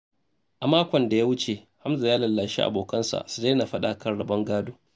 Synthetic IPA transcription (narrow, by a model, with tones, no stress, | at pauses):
ʔa˨maː˦kʷɔ˨nda˨ja˦wʊ˦t͡ʃe˨ | ha˦mza˨jaː˦lɐ˨lːaː˨ʃi˦ʔa̰˨boː˨kɐ˦nsa̰˨ʔsu˨da˦na˨ɸɐ˦ɗa˨kɐ˦nɽɐ˨bɐ˦ŋɡaː˦duː˦